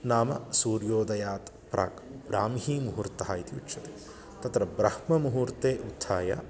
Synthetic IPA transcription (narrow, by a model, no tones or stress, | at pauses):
naːmɐ̰suːɾjoːd̪ɐjaːt̪ | pɾa̰ːkbɾaːmhiːmuɦuɾt̪ɐɦɐit̪iṵtːʃʰɐt̪e | t̪ɐt̪ɾɐbɾɐhmɐmuɦuːɾt̪eːʔut̪ʰːaːjɐ̰